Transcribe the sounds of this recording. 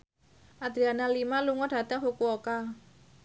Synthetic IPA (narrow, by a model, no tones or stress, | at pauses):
ʔad̪ɾianalimaluŋɔdɖ̥a̤t̪aŋfukuoka